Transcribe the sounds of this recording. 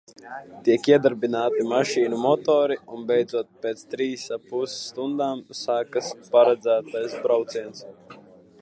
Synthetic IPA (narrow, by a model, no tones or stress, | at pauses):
t̪iɛkiɛd̪aɾbinaːt̪imaʃiːnumɔt̪ɔːɾiunbɛjd̪zuɔt̪̚pʲeːt̪st̪ɾiːsapussːt̪und̪aːmsaːkaspaɾad̪zæːt̪ajsbɾawt̪siɛns